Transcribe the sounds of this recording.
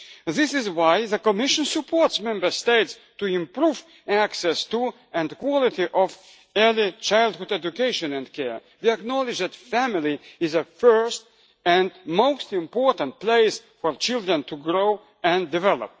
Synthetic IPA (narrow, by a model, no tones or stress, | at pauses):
ðɪsɪzwaɪðəkɔmɪʃə̃nsɨpʰɔɹtsmɛ̃mbə˞steɪts | tuɪ̃mpɹuv | æksɛstu | ɛ̃nkwɔlˠɪtiʔɔv | ɛ˞lit͡ʃaɪlˠd̚hʊdɛd͡ʒukeɪʃɨ̃nɛ̃nkʰɛɹ | ðiæknɑlɨd͡ʒðætfæmɪlˠiɪzəfɜ˞st | ɛ̃nmoʊstɪ̃mpɔɹtə̃nt̚pleɪsfɔɹt͡ʃɪlˠdɹə̃ntʰuɡɹoʊ | ɨ̃ndɨvɛlˠə̰p̚